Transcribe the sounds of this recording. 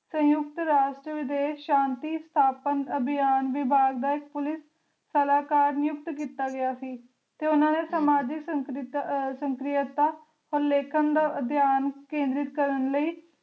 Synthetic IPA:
sə̃jʊkt̪ɾaːʃʈɾəʋɪd̪eːʃãːnt̪iːst̪ʰaːpənəbʱɪjaːnʋɪbʱaːɡd̪aːɪk̚pʊlɪsː | əlaːkaːɾnɪjʊk̚t̪kiːt̪aːɡəjaːsiː | t̪eːʊnãːneːsəmaːd͡ʒɪksəŋkɾɪsəŋkɾɪjət̪aː | ɔːɾleːkʰənd̪aːəd̪ʱjaːnkẽːnd̪ɾɪt̪kəɾənləiː

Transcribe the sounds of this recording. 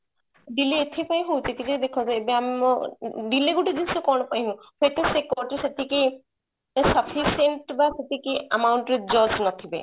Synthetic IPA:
ɖilːiet̪ʰipaj̃ɦuwt̪it̪ʰiked̪ekʰɔt̪ebeam | ɖilːiɡuʈid̪ilsekɔnɔpaɦĩɦũ | pʰet̪esekɔʈeset̪ʰiki | sɐpʰiseɳʈbaset̪ikiɐmawɳʈɾed͡ʒɔd͡ʒnat̪ʰibḛ

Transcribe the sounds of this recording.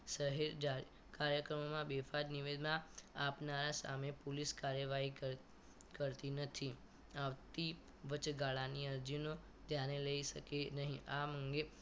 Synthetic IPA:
səɦeɾd͡ʒa | kaɾjəkɾəmomãbefad͡ʒ̪niʋed̪naːpnaɾasa̰mepuliskaɾjəʋaɦi | kəɾt̪inət̪ʰi | aʋt̪i | ʋət͡ʃɡaɭaniəɾd͡ʒino | d̪ʱjaneləiʃəkenəɦĩʔaməŋɡe

